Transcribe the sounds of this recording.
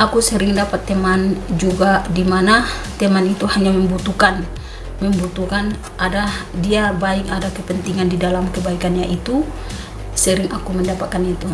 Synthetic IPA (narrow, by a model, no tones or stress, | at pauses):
ʔakusəɾɪŋdapat̪ːɛmand͡ʒuɡadimanat̪ɛmanit̪uhaɲamɛmbut̪ukan | mɛmbut̪ukan | ʔadadiabaɪkadakəpənt̪iŋandidalamkəbaikanɲaʔit̪u | səɾɪŋakumɛndapat̪̚kanat̪u